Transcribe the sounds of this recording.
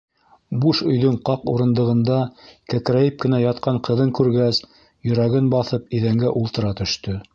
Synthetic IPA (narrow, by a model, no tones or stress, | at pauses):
buʃɵ̆jðɵɴqɑquɾɤ̆nd̪ɤ̆ʁɤ̆nd̪ɑkækɾæjɘp̚kɘ̆næjɑt̪̚qɑɴqɤ̆ðɤŋkʉɾɡæs | jɵ̆ɾæɡɘnbɑθɤpiðæŋɡæʔulˠt̪ɤ̆ɾɑt̪ɵ̆ʃt̪ɵ